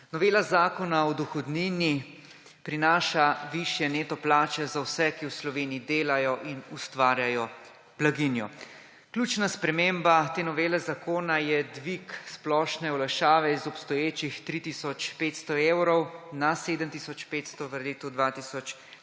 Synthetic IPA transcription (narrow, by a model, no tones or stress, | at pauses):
nɔʋeːlazaːkɔnaɔd̪uxɔd̪nini | pɾinaːʃaʋiʃjɛneːt̪ɔplaːt͡ʃɛzawsɛkiwslɔʋeːniid̪eːlajɔʔinust̪ʋaːɾjajɔ | b̥laɡinjɔ | klʲuːt͡ʃnaspɾɛmeːmbat̪eːnɔʋeːlɛzakoːnajɛd̪ʋiksplɔːʃnɛɔlaʃaːʋɛizɔpst̪ɔjeːt͡ʃixt̪ɾit̪isɔt͡ʃpeːt̪st̪ɔeːwɾɔwnaseːd̪əmt̪isɔt͡ʃpeːt̪st̪ɔʋəɾleːt̪ud̪ʋat̪isɔt͡ʃ